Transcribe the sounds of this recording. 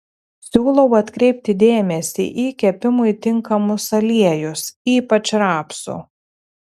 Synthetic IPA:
sʲuːlˠɐʊɐt̪kɾʲɛɪp̚ʲt̪ʲɪd̪ʲeːmʲɛsʲḭʔiːkʲɛpʲɪmʊit̪ʲɪŋkɐmʊsɐlʲiɛjʊsiːpɐt͡ʃɾɑːpsṵ

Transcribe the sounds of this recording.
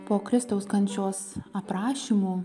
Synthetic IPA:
poːkɾʲɪst̪ɐʊskɐnʲt͡ʃʲoːsɐpɾɑːʃʲiːmuː

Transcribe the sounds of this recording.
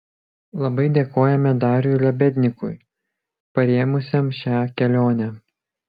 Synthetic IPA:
lˠɐbɐɪd̪ʲeːkoːjɛmʲɛd̪ɑːɾʲulʲɛbʲɛd̪ʲnʲɪkʊj | pɐɾʲeːmʊsʲemʃʲæːkʲɛlʲoːnʲæ

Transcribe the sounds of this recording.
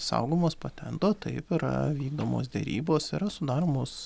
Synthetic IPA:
sɐ̰ʊɡoːmoːspɐt̪ʲɛnt̪oːt̪ɐɪpɪɾɐ̰ʋʲiːɡ̚d̪oːmo̰ːsd̪ʲɛ̰ɾʲḭːboːsɪɾɐsʊd̪ɑːɾoːmoːs

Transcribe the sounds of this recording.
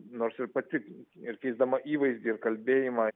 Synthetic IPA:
noːɾsɪɾpɐt̪ʲɪɪɾkʲɛɪzd̪ɐmɐʔiːʋɐɪzʲd̪ʲiːɪɾkɐlʲbʲeːjɪmɑ

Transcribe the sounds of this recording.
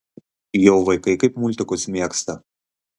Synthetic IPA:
joʊʋɐɪkɐɪkɐɪpmʊlʲt̪ʲɪkʊsmʲiɛkst̪ɐ

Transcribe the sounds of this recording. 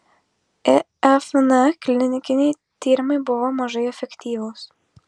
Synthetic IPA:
ɛ | ɛfnɛkʲlʲɪnʲɪnʲɪkʲɪnʲɛɪ | t̪ʲiːɾʲɪmɐɪbʊʋomɐʒɐɪɛfʲɛkʲt̪ʲiːʋʊːs

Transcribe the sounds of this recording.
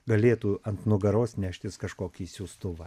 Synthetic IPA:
ɡɐlʲeːt̪uːɐnt̪nʊɡɐɾoːsnʲæːʃʲt̪ʲɪskɐʃkoːkʲiːsʲuːst̪ʊʋɐ

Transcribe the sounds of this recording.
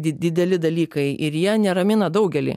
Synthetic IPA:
d̪ʲɪd̪ʲɛlʲɪd̪ɐlʲiːkɐɪʔɪɾjiɛnʲɛɾɐmʲɪnɐd̪ɐʊɡʲɛlʲḭː

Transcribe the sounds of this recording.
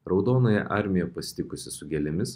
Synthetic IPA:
ɾɒʊd̪oːnoːjɛ̰ʔɑɾʲmʲɪjɛpɐsʲɪ̥t̪ʲɪkʊsʲɪsʊɡʲɛlʲɪmʲɪs

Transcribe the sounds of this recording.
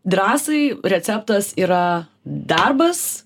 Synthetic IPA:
d̪ɾɑːsɐɪɾʲɛt̪sʲɛp̚t̪ɐsiːɾɐ | d̪ɐrbɐs

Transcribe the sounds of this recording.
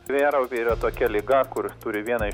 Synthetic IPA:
ʋʲeːɾɐʊpʲeiːɾɐt̪oːkʲɛlʲɪɡɐkʊɾʲɪst̪uːɾʲɪʋʲiɛnɐɪ

